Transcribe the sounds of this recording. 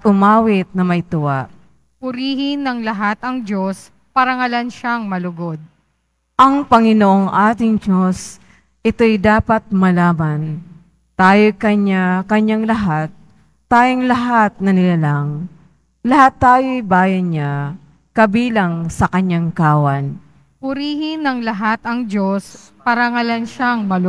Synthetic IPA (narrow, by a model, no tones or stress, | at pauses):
t̪̚ʔʊmaːwɪt̪̚nɐmɐjt̪ʊwaʔ | pʊɾiːhɪnːɐŋlɐɦat̪ɐŋd͡ʒo̞s | paɾɐŋɐlanʃaŋmɐlʊɡod̪̚ | ʔɐŋpɐŋɪnoʔo̞ŋʔaːt̪ɪŋd͡ʒo̞s | ʔɪt̪o̞jd̪aːpɐt̪̚mɐlaːmɐn | t̪aːjojkɐɲakɐɲaŋlɐɦat̪̚ː | aːjoŋlɐɦat̪̚nɐnɪlalaŋ | lɐhat̪ːaːjojbaːjɐna | kɐbiːlɐŋsɐkɐɲaŋkaːwɐn | pʊɾiːhɪnɐŋlɐɦat̪ɐŋd͡ʒos | pɐɾɐŋɐlanʃaŋmɐl